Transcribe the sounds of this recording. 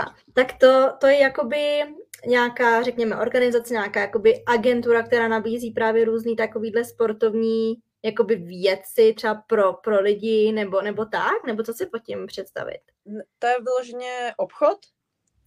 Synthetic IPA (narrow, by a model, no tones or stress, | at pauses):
a̰ | t̪akt̪o̞t̪o̞jɛjako̞bɪɲaːkaːrɛkɲɛmɛʔo̞ɾɡanɪzat͡sɛɲaːkaːjako̞bɪʔaɡɛnt̪uɾak̚t̪ɛɾaːnabiːziːpɾaːvjɛɾuːzniːt̪ako̞viːdlɛspo̞ɾt̪o̞vɲiː | jako̞bɪvjɛt͡sɪt̪rɛbapɾo̞pɾo̞lɪɟɪnɛbo̞nɛbo̞t̪aknɛbott͡sosɪpocɪmpr̝̥ɛt̪st̪a̰vɪ̰t̪ | t̪ojɛvɪloʒɛɲɛʔopxot̪